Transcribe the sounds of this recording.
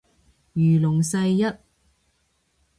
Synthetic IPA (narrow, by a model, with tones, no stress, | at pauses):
jyː˨˩lʊ˨˩ŋsɐ˧jːɐ˥t̚